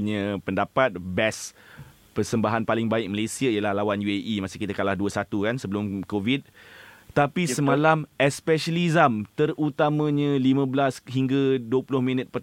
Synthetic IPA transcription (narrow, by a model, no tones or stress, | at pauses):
ɲə̃pəndapat̪̚bɛs | pərsəmbaɦanpalɪŋbaɪk̚məlesiaijəlahlawanjueʔimãsikit̪əkalahduəsat̪ukansəbəlʊmkovid̪̚t̪apisəmãlamɛspɛʃəlizəmt̪ərut̪amãɲãlimə̃blasɦiŋɡaduəpulʊhmĩnət̪̚pər